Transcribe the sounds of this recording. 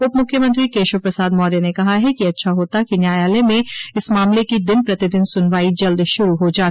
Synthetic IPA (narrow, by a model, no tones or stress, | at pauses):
ʊpmʊkʰːjəmɐ̃nt̪̬ɾikeːʃwəpɾɐsaːd̪mɔːɾjenekɐɦaɦɛkiɐtːʃʰaɦoːt̪akinjaːjaːlemẽɪsmaːmlekid̪ɪnpɾɐt̪ɪd̪ɪnsʊnʋaːid͡ʒɐld̪ʃʊɾuɦod͡ʒaːt̪